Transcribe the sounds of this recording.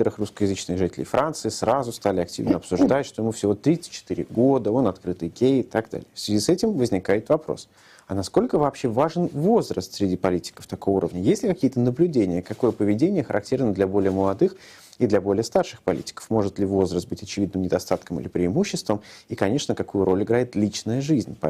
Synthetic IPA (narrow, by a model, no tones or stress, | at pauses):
t̪əɾɨxruskəjɪzɨt͡ɕnɨɣʐɨtʲɪlʲɪ̰jfɾʔant̪sɨɪsɾazʊst̪alʲɪɐktʲḭvnəɐpsʊʐd̪atʲʂt̪o̞jɪmufsʲɪvo̞t̪ɾʲit̪səɨt̪̚ʲt͡ɕːɪ̥t̪ɨɾʲɪ̰ɡo̞d̪əo̞nɐt̪kɾɨt̪ɨjɡʲejɪt̪aɡ̚d̪a̰lʲɪ̰jəfsʲvʲɪzʲisɛtʲɪmvəzʲnʲɪkajɪt̪vɐpɾo̰s | ɐnɐsko̞lʲkəvɐːpɕːevaʐɨnvo̞zrə̰st̪sʲɾʲɪdʲipɐlʲitʲɪ̥kə̥ft̪ɐkovəṵɾəvnʲəjesʲtʲlʲɪkɐkʲijət̪ənəblʲʉdʲenʲɪjəkɐko̞jəpəvʲɪdʲenʲɪjəxəɾʔɐk̚tʲe̞rnəd̪lʲɐbo̞lʲɪjəməlˠɐd̪ɨx | id̪lʲɐbo̞lʲɪəst̪arʂɨxpɐlʲḭtʲɪ̥kə̥fmo̞ʐɨt̪lʲɪvo̞zrəst̪bɨtʲɐt͡ɕɪvʲid̪nɨmnʲɪd̪ɐst̪at̪kəmɨ̰lʲɪpɾʲɪɪmuɕːɪst̪vəmikɐnʲe̞ʂnəkɐkujʊɾʔo̞lʲɪɡɾaɪt̪lʲit͡ɕnəjəʐɨzʲnʲ